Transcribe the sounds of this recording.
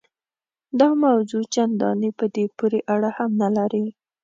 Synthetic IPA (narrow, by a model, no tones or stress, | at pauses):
d̪ɑmawzut͡ʃand̪ɑ̰nipəd̪epuɾeʔaɽahamnalaɾi